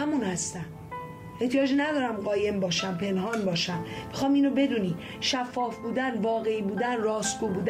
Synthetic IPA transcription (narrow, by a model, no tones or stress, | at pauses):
æmunhæst̪æn | e̞ht̪ʰijɒːd͡ʒinæd̪ɒːɾæmɢɒːje̞mbɒːʃæmpʰe̞nɦɒːnbɒːʃæmb̥exɒːmiːnobe̞d̪uːniː | ʃæfːɒːfbuːd̪ænvɒːɣe̞iːbuːd̪ænrɒːsɡuːbuːd̪